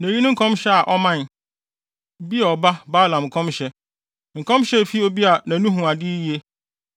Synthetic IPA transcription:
næ̃˨ji˦nʊ̃˦ŋ̩˦kʰɔ̃˦mɕɛ˦a˨ʔɔ˦mã˦n | bi˦ɛ˨ɔ˨ba˦baː˦lã˨m̩˨kʰɔ̃˦mɕɛ˦ | ŋ̩˨kʰɔ̃˦mɕɛ˦˨fi˦o˦bi˦a˨nã˨nũ˦ɦũ˨a˨dɪ˦ji˦e˦

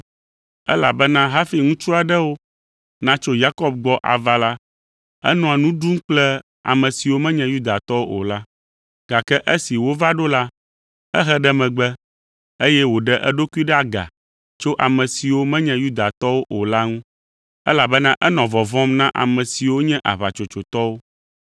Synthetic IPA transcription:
ɛ̰˦la˨bɛ˦nã˦ɦa˦fi˨ŋũ˦t͡ʃɾu˦a˨ɖɛ˦wo˦ | nã˦t͡ʃo˦ja˦kɔ˦b̚ɡ͡bɔ˦ʔa̰˨va˦la˦ | ɛ̰˦nɔ̃˨a˨nũ˦ɖu˦ŋ̩˦k͡plɛ˦ | a̰˨mɛ̃˨si˨wo˦mɛ̃˦ɲɛ̃˨ju˦d̪a˨t̪ɔ˦wo˦ʔo̰˨la˦ | ɡ̥a˨kɛ˦ʔe˦si˨wo˦va˦ɖo˦la˦ | ɛ˦ɦɛ˦ɖɛ˦mɛ̃˨ɡ͡bɛ˦ | e˦jɛ˦wo˨ɖɛ˦ʔɛ˦ɖo˦ku˦i˦ɖɛ˦a˨ɡa̰˨ | t͡ʃo˦ʔa˨mɛ̃˨si˨wo˦mɛ̃˦ɲɛ̃˦ju˦d̪a˨t̪ɔ˦wo˦ʔo˨la˦ŋũ˦ | ɛ˦la˨bɛ˦nã˦ʔɛ˦nɔ̃˨vɔ˨vɔ̃˦mnã˦ʔa̰˨mɛ̃˨si˨wo˦ɲɛ̃˦ʔa̰˨βa˨t͡ʃo˨t͡ʃo˨t̪ɔ˦wo˦

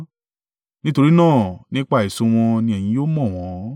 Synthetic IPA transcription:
nĩ˦to˧ɾi˦nãː˦˨nĩ˦k͡pa˦˨i˨sõ˧w̃ɔ̃˧nĩ˧ɛ˨j̃ĩ˨˦joː˦mɔ̃˦˨w̃ɔ̃˨˦

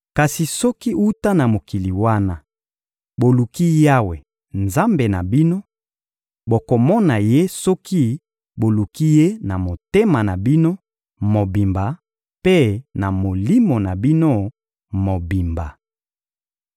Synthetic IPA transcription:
ka˨si˨sɔ˦ki˦u˦ta˦na˨mo˨ki˨li˨wa˦na˦ | bo˨lu˨ki˦ja˦we˨ | nza˦mbe˨na̰˨bi˦no˦ | bo˨ko˨mɔ˦na˨je˦sɔ˦ki˦ | bo˨lu˨ki˦je˦na˨mo˨te˦ma˨na˨bi˦no˦ | mo˨bi˨mba˨ | pe˦na˨mo˨li˦mo˨na˨bi˦no˦ | mo˨bi˨mba̰˨

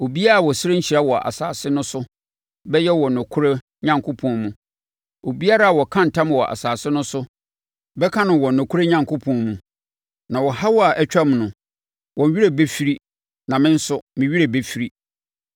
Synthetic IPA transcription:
o˨bi˦a˦ɾa˨wɔ˨sɪ˦ɾe˦ɲ̩˦t͡ɕʰi˨ɾa˦wɔ˨ʔa̰˨sa̰ː˨sɪ˦nʊ̃˦sʊ˦ | bɛ˦jɛ˦wɔ˨nʊ̃˨kʰʊ˦ɾe˦ | ɲã˨ŋkʰʊ˦pʰɔ̃˨mũ˨ | o˨bi˦a˦ɾa˦a˨wɔ˨kʰã˦n̩˨tʰã˦m˨wɔ˨ʔa̰˨saː˨sɪ˦nʊ̃˦sʊ˦ | bɛ˦kʰã˦nʊ̃˨wɔ˨nʊ̃˨kʰʊ˦ɾe˦ɲã˦ŋkʰʊ˦pʰɔ̃˨mũ˨ | nã˨wɔ˨ha˦wɔ˦a˨ʔæ˦t͡ɕᶣa˦mnʊ̃˨ | wɔ̃˨nɥi˦ɾe˨be˦fi˦ɾi˦ | nã˨mɪ̃˦n̩˦sʊ˦mɪ̃˨ɥi˦ɾe˨be˦fi˦ɾi˦

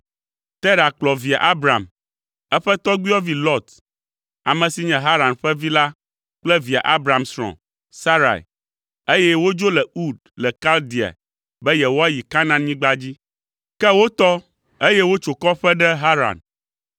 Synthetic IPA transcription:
t̪ɛ˦ɾa˨k͡plɔ˨vi˨a̰˨ʔa˦bɾa̰˨m | ɛ˦ɸɛ˦t̪ɔ˦ɡ͡bi˦ɔ˦vi˦lɔ˦t̪ | a˨mɛ̃˨si˨ɲɛ̃˨ɦa˦ɾã˨nɸɛ˦vi˦la˦ | k͡plɛ˦vi˨a̰˨ʔa˦bɾa˨msɾɔ̰̃˨ | sa˦ɾa̰˨ḭ˨ | e˦jɛ˦wo˦d͡ʒo˦lɛ˨u˦˨d̚ | lɛ˨ka˦ld̪i˨a̰˨ | bɛ˦jɛ˨wo˦a˦ji˨ka˦nã˨nɲĩ˦ɡ͡ba˦d͡ʑi˦ | kɛ˦wo˦t̪ɔ˦ | e˦jɛ˦wo˦t͡ʃo˨kɔ˦ɸɛ˦ɖɛ˦ɦa˦ɾa̰˨n

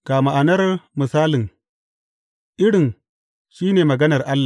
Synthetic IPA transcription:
kaː˨ma˨ʔa˨nɐ˦rmɪ˨saː˦lɪ˨ŋ | ʔɪ˦ɽɪ˨ŋ | ʃiː˦neː˨mɐ˨ɡɐ˦nɐ˨rʔa˦lːa˨

